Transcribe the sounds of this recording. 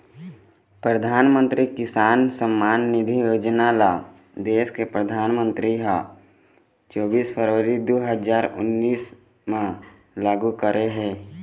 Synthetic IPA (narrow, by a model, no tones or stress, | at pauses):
pɾəd̪ʱaːnmə̃nt̪ɾikɪsaːnsəmːaːnːɪd̪ʱijoːd͡ʒənala | d̪eːskepɾəd̪ʱaːnmə̃nt̪ɾiɦa | t͡ʃɔːbiːspʰəɾʋəɾid̪oːɦəzaːɾʊ̰nːiːs | mẽ | laːɡukəɾʔeɦɛ̃ː